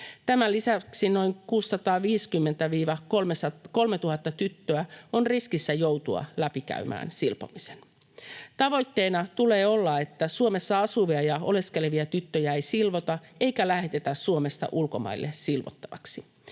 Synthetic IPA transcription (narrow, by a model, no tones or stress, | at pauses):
t̪æmælisæksino̞iŋkuːsːɑt̪ɑːʋiːskymːent̪æʋiːʋɑomsɑko̞lmet̪uhɑt̪ːɑt̪yt̪ːøæonriskisːæjo̞wt̪uɑ̰læpikæ̰ymæ̰ːnsilpo̰misen | t̪ɑʋo̞jt̪ːe̞ːnɑt̪ule̞ːo̞lːɑe̞t̪ːæsuome̞sːɑɑsuʋiɑjɑo̞le̞ske̞leʋiɑt̪yt̪ːøjæejsilʋot̪ɑejkælæhe̞t̪et̪æssuome̞st̪ɑ̰ʔulko̞mɑ̰ilːessilʋo̰t̪ːɑʋɑ̰ksi